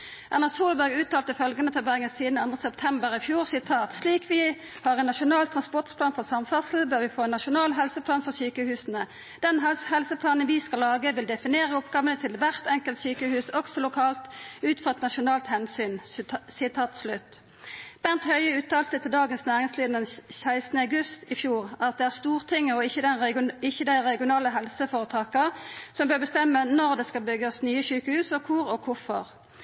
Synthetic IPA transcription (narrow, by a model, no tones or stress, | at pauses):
ʔɑʁnɑsuːlbæʁɡʉːt̪ɑːlt̪əfœlɡənət̪ʰɑbæʁŋənst̪ʰiːd̪n̩ɑnd̪ʁəsɛp̚t̪ʰɛmbəʁɪfjuːʁsɪt̪ʰɑːt̪sliːkʰʋɪ | hɑʁɛnːɑʃʊnɑːlt̪ʰʁɑnspɔʁʈ̪pʰlɑːnfɔʁsɑmfɑsl̩bøːʁʋɪfoːɛnɑʃʊnɑːlɦɛlsəpʰlɑːnfɔʁsyːkəhʉːsnə | d̪̥ɛnhɛlsəpʰlɑːnənʋɪskɑlːɑːɡəʋɪld̪ɛfɪneːʁəɔpɡɑːʋənət̪ʰɪlʋæʁt̪ɛŋkəlt̪syːkəhʉːsɔɡsɔlʊkʰɑːlt̪ʉːt̪fɔʁɛt̪nɑʃʊnɑːlt̪hɛnsyːnsɪt̪ʰɑːt̪slʉt̪ː | b̥ænt̪hœʏəʉːt̪ʰɑːlt̪ət̪ʰɪld̪ɑːɡənsnæːʁɪŋsliːd̪nənsæɪst̪nəɑʉɡʉst̪ɪfjuːʁæɑʁɑt̪̚d̪ɛæʁst̪uːʁt̪ʰɪŋːəɔɪːəd̪ɛnɪçəd̪æɪʁɛɡɪʊnɑːləɦɛlsəfoːʁət̪ʰɑːkəsɔmbøːʁbəst̪ɛmːənɔʁd̪ɛskɑlbʏɡəsnyːəsyːkəhʉːsɔkʰʊʁɔkʰʊfɔ̰ʁ